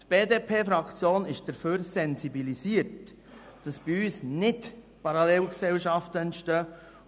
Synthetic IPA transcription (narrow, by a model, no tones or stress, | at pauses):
tb̥eːdepʰeːfɾɑkt͡sjoːnɪʃd̥əɾføːɾsɛnsibilisiːəɾt | d̥ɑsb̥ɪyːsnɪt | pɑɾɑlɛlksɛlʃɑftəɛntʃtœː